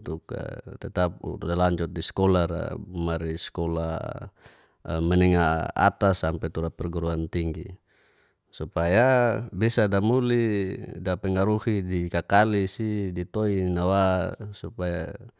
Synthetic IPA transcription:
t̪uka̰t̪ɛt̪ap̚dalaɲd͡ʒɔt̪̚diskɔlaɾa̰maɾiskɔla̰ | mɛnɛŋaa̰t̪asampɛt̪uɾapɛrɡuɾuant̪iŋɡi | supajabisadamulidapɛŋaɾuhidikakalisidit̪ɔinawasupaja̰

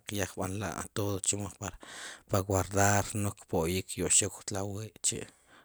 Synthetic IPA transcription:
qjaχɓa̰nla̰ʔa̰t̪oðot͡ʃimoχpaɾpawaɾd̪aɾnokpoʔjikʰjoʔʃikt̪lawiːʔt͡ʃḭʔ

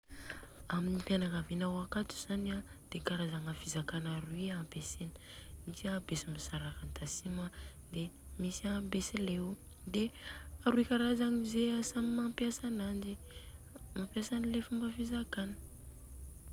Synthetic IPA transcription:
aminipanakavinawakat̪u̥z̥aniad̪̥ekaɾazaŋafizakanaɾuiampesenə̥ | id͡ʒiabesimisaɾakant̪asima | d̪̥emisambesilew | d̪eaɾuikaɾazaŋizeasamimampjasanand͡ʒi | mampjasanilefumbəfizakanə̥

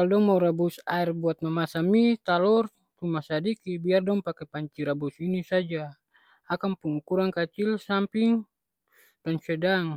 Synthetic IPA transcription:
kaldɔŋmauɾabusairbuat̪̚mamasamit̪alɔr | t̪umasadikibiardɔŋpakɛpaɲt͡ʃiɾabusinisad͡ʒaː | kanpuŋukuɾaŋkat͡ʃilsampiŋ | d̥ansɛdaŋ

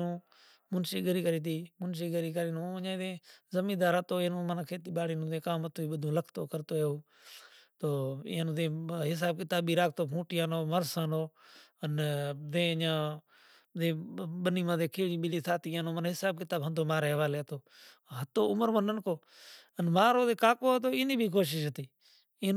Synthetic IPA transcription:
ũː | mʊnsiːɡəɾiːkəɾiːt̪̬iːmʊnʃ̬iːɡəɾiːkəɾiːnũːəɲãːd̪ẽːzəmĩːd̪aːɾət̪oːeːnũːmənːkʰeːt̪iːɓaːɽiːnũːt̪ẽːkaːmət̪oːiːɓəd̪ʱũːləkʰt̪oːkəɾt̪oːeːoː | t̪oːḭːnũːt̪ẽːɦɪs̬aːb̚kɪt̪aːɓiːɾaːk̚ʰt̪oːpʰũːʈiːaːnoːməɾsaːnoːənd̪ẽːəɲãː | d̪ẽːɓəniːmãːd̪ẽːkʰeːɽiːɓɪliːt̪ʰaːt̪iːənõːmənɦɪsaːb̚kɪt̪aːbɦə̃nd̪oːmaːɾeːɦəʋaːleːɦət̪oː | ɦət̪oːʊməɾmənənkoː | ənmaːɾoːt̪eːkaːkoːɦət̪oːɪːniːbʱiːkoːʃ̬ɪʃɦət̪iː

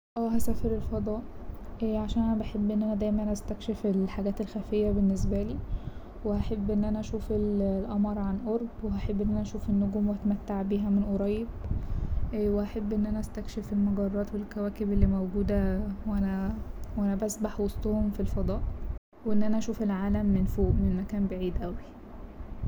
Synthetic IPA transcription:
ʔæːɦæsæːfeɾelfɑd̪ˤɑːʔʔæːʕaʃæːnʔænæbaħebːʔenːʔænæd̪æjmænʔæst̪ækʃefelħaɡæːt̪elxæfejːæbenːes̬bæliː | wehæħebːʔenːʔænæʔæʃuːfellʔɑmɑɾˤʕanʔoɾˤbweɦæħebːʔenːʔænæʔæʃuːfʔenːoɡuːmweæt̪mæt̪ːaʕbiːɦæmenʔoɾˤɑjːeb | weʔæħabːʔenːʔænæʔæst̪ækʃefelmoɡɑrˤːɑːt̪welkæwæːkebelːiːmowɡuːd̪æweʔænæwʔænæbæsbaħwosˤt̪ˤohomfilfɑd̪ˤɑːʔ | weʔenːʔænæʔæʃuːfelʕaːlæmːenfoːʔmenmækæːnbeʕiːd̪ʔæwi

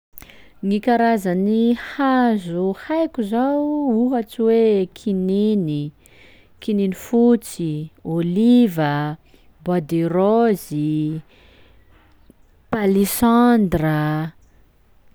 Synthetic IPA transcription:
ŋikaɾazanihazuhajkʲuzawuɦat͡siwekʰinini | kininifut͡siolivə | bad̪erozi | palisand̪rə

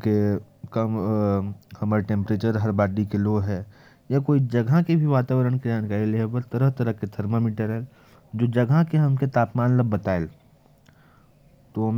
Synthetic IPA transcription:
kekəm | hɐmaːɾeʈẽːmpɾeːt͡ʃəɾɦɐɾbaːɖikeloːɦɛː | jakoːid͡ʒɐɡʱakebʱiʋaːt̪aːʋəɾəɽ̃ked͡ʒaːnkaːɾilebəɾt̪əɾəɦt̪ɐɾəket̪ʰɐɾmomiːʈəɾɦɛ | d͡ʒoːd͡ʒɐɡʱakeɦɐmket̪aːpmaːnləbːɐt̪aːel | t̪om

